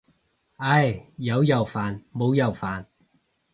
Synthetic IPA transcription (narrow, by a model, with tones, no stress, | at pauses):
ɐ˧jjɐ˨˧wjɐ˨˩wfaː˨˩nmo˨˧wjɐ˨˩wfaː˨˩n